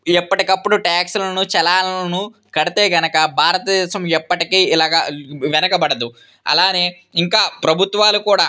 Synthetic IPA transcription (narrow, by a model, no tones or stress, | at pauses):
ɛpːɐʈikɐpːuɽuʈaːksulɐnut͡ʃɛlaːlɐɐnu | kɐɽit̪eːɡɐnɐkɐbʱaːɾɐt̪ɐd̪ɛːʃɐmɛpːɐʈikiːilaːɡaːʋɛnɐkɐbɐɽɐd̪u | ɐ̰laːne̞ː | iŋkaːpɾɐbʱut̪ʋaːlukuːɽaː